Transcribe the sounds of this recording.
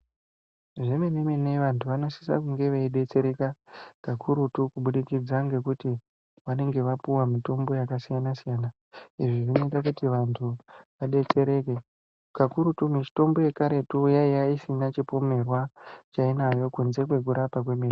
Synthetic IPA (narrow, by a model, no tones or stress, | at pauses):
ʐemenemineʋantʰuʋano̞si̥sa̰kuŋɡe̞ʋeiɗe̞t͡se̞ɾe̞kakakʰuɾutukuɓuɗikid͡zaŋɡe̞kuti | ʋane̞ŋɡe̞ʋapuwamito̞mbo̞jakasijanasijana | iʐiʐino̞itak̬utiʋantʰuʋaɗe̞t͡se̞ɾe̞ke | kakuɾutumit͡ʃi̥to̞mbo̞je̞kaɾe̞tujaijaisinat͡ʃipo̞me̞rwat͡ʃainajo̞kunze̞kwe̞ɡʱuɾapak̬we̞miri